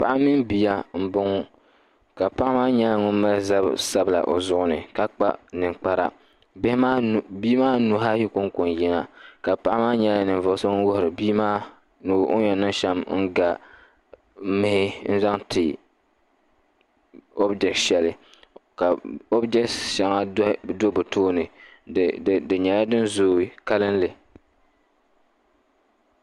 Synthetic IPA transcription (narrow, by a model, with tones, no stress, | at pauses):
pa˨ʔa˦mːi˦nbi˨ja˦m̩˦bʊ˦ŋʊ˦ | ka˨pa˦ʔa˦maː˦ɲɛ˦la˦ŋʊ˦n˦ma˦lza̰˦sa˦bla̰˨ʔo̰˨zʊ˦ʔʊ˦nɨ˨ka˦k͡pa̰˦nɨ˨ŋk͡pa˦ɾa̰˦ | ma˦˨bi˦maː˦nu˨ɦa˦ji˦ko˦ŋko˨n˨jɛ˦na˦ka˨pa˦ʔa˦maː˦ɲɛ˦la˦nɨ˨n˨vɔ˨˦so˦ŋʊ˦nwʊ˦hʊ˨ɾɨ˨biː˦maː˦ | nu˨o̰˦ɲɛ˨nɨ˦n˦ʃa˦mn̩˦ɡa˨ | mɪ˨˦hɪ˦n̩˦za˦ŋtʰɪ˨ | o˦bd͡ʒɛ˨k̚tʃɛ˨lɨ˦ | ka˨o˦bd͡ʒɛ˦ktʃɛ˨ŋa˦do˦bʊ˨toː˦nɨ˨ | dɨ˨ɲɛ˨la˦dɨ˦nzoː˨ka˦lɨ˦nlɨ˨